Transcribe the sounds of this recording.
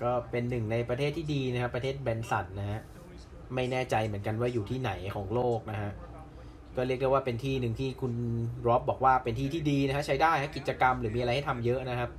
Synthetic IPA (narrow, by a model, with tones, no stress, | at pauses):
kɔː˥˩pe˧nːɯ˨˩ŋna˧jpɾa˧t̪ʰeː˥˩t̪ʰːiː˥˩diː˧na˦˥kʰa˦˥pːɾa˧t̪ʰeː˥˩t̪̚bɛː˧nsa˨˩t̪̚na˦˥kʰa˦˥ʔ | ma˥˩jnɛː˥˩t͡ɕa˧jmɯ˩˦ənka˧nwaː˥˩juː˨˩t̪ʰiː˥˩na˩˦jkʰɔː˩˦ŋloː˥˩k̚na˦˥kʰa˦˥ʔ | kɔː˥˩ɾi˥˩ək̚de˥˩waː˥˩pe˧nt̪ʰiː˥˩nɯ˨˩ŋt̪ʰiː˥˩kʰu˧nɾɔ˦˥p̚bɔː˨˩k̚waː˥˩pe˧nt̪ʰiː˥˩t̪ʰiː˥˩diː˧na˦˥kʰa˥t͡ɕʰa˦˥jdaː˥˩jʰa˦˥ki˨˩t̪̚t͡ɕa˧ka˧mɾɯː˩˦mi˧a˧ɾa˧jha˥˩jt̪ʰa˧mjɤ˦˥ʔna˦˥kʰa˦˥p̚